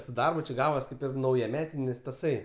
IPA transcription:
sʊ ˈdɐrbʊ t͡ʃʲɪ ˈɡɑːʋɐs ˈkɐɪp ɪr nɐʊjɛˈmʲæːtʲɪnʲɪs tɐˈsɐɪ

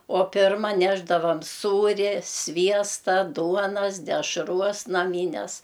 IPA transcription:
oː ˈpʲɪrmɐ ˈnʲæːʒdɐʋɐm ˈsuːrʲɛ ˈsʲʋʲiɛstɐ ˈduɔnɐs dʲɛʃˈruɔs nɐˈmʲiːnʲɛs

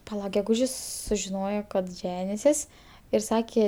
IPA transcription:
pɐˈlˠɐ ɡʲɛˈɡʊʒʲɪs sʊʒʲɪˈnoːjoː kɐt ˈʒʲæːnʲɪsʲɪs ɪr ˈsɑːkʲeː

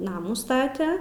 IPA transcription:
ˈnɑːmuː ˈstɑːtʲɛ

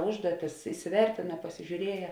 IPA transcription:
ˈʊʒduɔtʲɪs ɪsʲɪˈʋʲɛrʲtʲɪnɐ pɐsʲɪʒʲuːˈrʲiɛjɛ

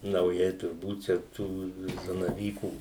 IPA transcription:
nɐʊˈjɛɪ tʊrˈbuːt t͡ʃʲɛ ˈtuː zɐnɐˈʋʲiːkuː

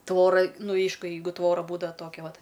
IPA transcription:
ˈtʋoːrɐ ˈnʊ ˈɛɪʃkʊ ˈjɛɪɡʊ ˈtʋoːrɐ ˈbuːdɐʋɐ ˈtoːkʲɛ ˈʋɐt

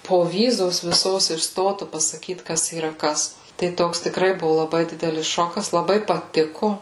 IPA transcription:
poːˈʋʲiːzoːs ʋʲɪˈsoːs ɪʃ ˈstoːtʊ pɐsɐˈkʲiːt ˈkɐs iːˈrɐ ˈkɐs tɐɪ ˈtoːks tʲɪkˈrɐɪ ˈbʊʋʊ lˠɐˈbɐɪ ˈdʲɪdʲɛlʲɪs ˈʃoːkɐs lˠɐˈbɐɪ pɐˈtʲɪkʊ

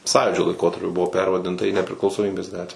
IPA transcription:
ˈsɑːjuːd͡ʒʲoː lˠɐɪˈkoːtɐrʲpʲʊ ˈbʊʋoː ˈpʲɛrʋɐdʲɪntɐ iː nʲɛpʲrʲɪklˠɐʊsoːˈmʲiːbʲeːs ˈɡɑːtʲʋʲæː

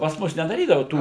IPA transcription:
pɐs ˈmʊs nʲɛdɐˈrʲiːdɐʋɐ ˈtuː

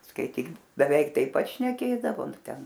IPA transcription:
skɐɪˈtʲiːk bʲɛˈʋʲɛɪk tɐɪp ˈpɐt ʃʲnʲɛˈkʲeːdɐʋoː nʊ ˈtʲɛn

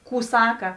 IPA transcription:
ˈkuː ˈsɑːkɐ

